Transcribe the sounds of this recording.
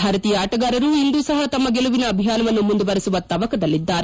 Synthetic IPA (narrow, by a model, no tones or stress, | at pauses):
bʱaːɾɐt̪iːjɐaːʈɐɡaːɾɐɾuːind̪uːsɐɦɐt̪ɐmːɐɡeluʋinɐːbʱijaːnɐʋɐnːumund̪ubɐɾisuʋɐt̪ɐʋɐkɐd̪ɐlːid̪ːaːɾe